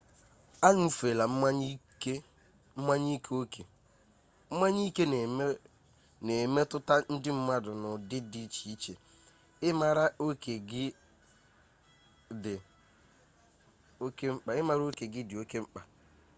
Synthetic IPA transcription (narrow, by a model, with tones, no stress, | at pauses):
a˦ɲu˦˨fe˨la˨m̩˦a˦ɲi˦ke˦ | m̩˦ma˦ɲi˦kʰo˦ke˨ | m̩˦ma˦ɲi˦ke˦n˨˦ | ne˨me˦tʊ˦ta˦n̩˦dɪ˦m̩˦ma˦dʊ˨nʊ˨dɪ˦di˦t͡ʃi˦t͡ʃe˨ | ɪ˦ma˨ɾa˦o˦ke˨ɡɪ˦ | dɪ˨ | o˦ke˦ŋ͡m̩˦k͡pa˨ɪ˦ma˨ɾo˦ke˨ɡɪ˦dɪ˨o˦ke˦ŋ͡m̩˦k͡pa˨